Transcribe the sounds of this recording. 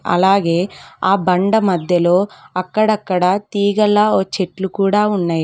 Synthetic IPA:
ɐ̰laːɡeːaːbɐɳɖɐmɐd̪jɐloːɐkːɐɽɐkːɐɽɐt̪iːɡɐlːɐot͡ʃeʈlukuːɽaːuɳːɐj

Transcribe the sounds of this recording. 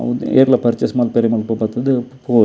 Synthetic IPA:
ɐ̰ɐḛːɾlɐpɐɾt͡ʃɐsmaːlpɛɾɐjɐmaːlpoːpaːt̪ːɐðɯpoː

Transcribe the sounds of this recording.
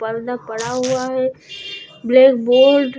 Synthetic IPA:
pəɾd̪apɐɽaɦʊaɦɛ | bleːkboːɾɖ

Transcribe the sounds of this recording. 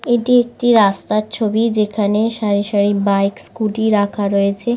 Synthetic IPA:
eʈiek̚ʈiɾast̪at͡ɕʰobid͡ʑekʰaneʃaɾiʃaɾibajkskuʈiɾakʰaɾoet͡ɕʰe

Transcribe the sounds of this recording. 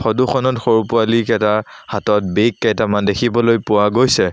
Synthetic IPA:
xɔduxɔnɔtxoɹupʊalikɛtahatɔt̚bejkːajtamandekʰibɔlojpʊwaɡojsɛ

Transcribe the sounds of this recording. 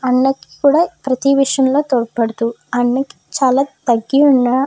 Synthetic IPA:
ɐnːɐki̥kuːɽaːpɾɐt̪iʋiʂjɐmlo̞ːt̪oːɾpɐɽɐt̪uɐnːɐki̥t͡ʃaːlaːt̪ɐɡːiuɳːa

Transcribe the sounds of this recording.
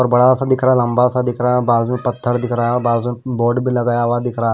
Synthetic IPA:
pəɾbɐɽasad̪ɪkʰɾalɐ̃mbasad̪ɪkʰɾabaːzmẽpɐt̪ʰːəɾd̪ɪkʰɾajabaːzmẽboːɖbʱilɐɡaːjaʋad̪ɪkʰɾa

